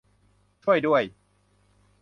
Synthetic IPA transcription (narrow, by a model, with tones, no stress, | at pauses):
t͡ɕʰu˥˩əjdu˥˩əj